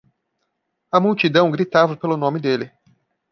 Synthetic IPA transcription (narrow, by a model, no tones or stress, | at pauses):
ɐmuwt͡ʃid̪ɐ̃w̃ɡɾit̪avɐpelʊnõmɪd̪elɪ